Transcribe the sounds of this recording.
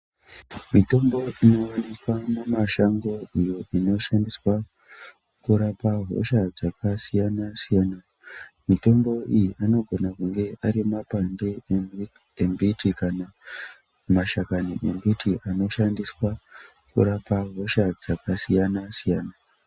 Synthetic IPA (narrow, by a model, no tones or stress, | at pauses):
mito̞mbo̞ino̞wanekwamemaʃaŋɡo̞ijoino̞ʃandiswa | kuɾapaɦo̞̰ʃad͡zakasijanasijaːna | mito̞mbo̞ijiʔano̞ɡʱo̞nakuŋɡe̞ʔaɾimapande | embitikana | maʃakaniʔembitiʔano̞ʃandiswa | kṵɾapaɦo̞ʃad͡zakasijanasijaːna